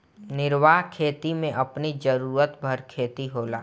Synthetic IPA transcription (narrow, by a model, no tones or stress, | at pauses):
nɪɾʋaːɦkʰeːt̪imẽʔɐpnid͡ʒəɾuːɾət̪bʱɐɾkʰeːt̪iɦoːla̰ː